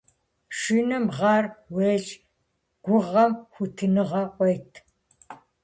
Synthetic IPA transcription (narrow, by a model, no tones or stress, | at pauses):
pʃinɐmʁɑːrweːɮ | ɡ̥ʷʊʁɐmxʷutʰɨnɨʁɐqʷɔjtʰ